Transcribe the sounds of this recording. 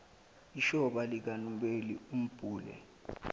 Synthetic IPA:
iʃɔɓalik̬anumɓelḭum̩b̥ʱuːlɛ̰

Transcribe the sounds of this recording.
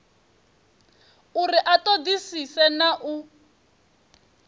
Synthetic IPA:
uɾiʔatod̪isisɛnaʔu

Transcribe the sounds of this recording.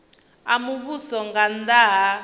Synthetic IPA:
amuβusɔŋɡand̪aɦa

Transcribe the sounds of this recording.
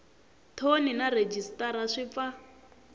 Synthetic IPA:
tʰoninaɾed͡ʒistʼaɾaʂip̪fa

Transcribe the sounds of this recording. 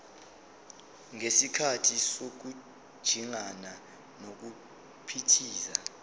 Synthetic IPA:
ŋesikʰatʰisok̬u̥ | ʒ̥ʱiŋana | nok̬u | pʰitʰiːza

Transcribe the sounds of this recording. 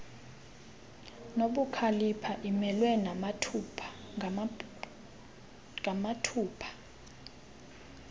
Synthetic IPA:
noɓukʰalipʰaʔimɛlwɛnamatʰupʰa | ŋamatʰuːpʰḁ

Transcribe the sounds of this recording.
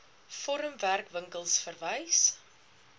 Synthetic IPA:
fɔɾəmværkvəŋkəlˠsfərvəjs

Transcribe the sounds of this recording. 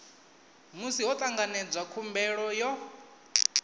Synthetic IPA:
musiɦɔt̪ʼaŋɡanɛd͡zwakʰumbɛɺɔjɔ

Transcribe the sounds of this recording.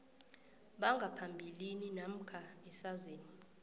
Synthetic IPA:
ɓaŋɡʱapʰambʱilininam̩kʰaɛsazeːni

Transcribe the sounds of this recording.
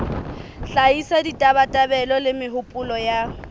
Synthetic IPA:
ɬaisaditʼaβatʼabɛlɔlɪmɪɦʊpʼʊlɔja

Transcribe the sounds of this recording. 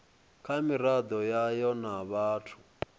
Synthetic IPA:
kʰamiɾad̪ɔjajɔnaβaːtʰu̥

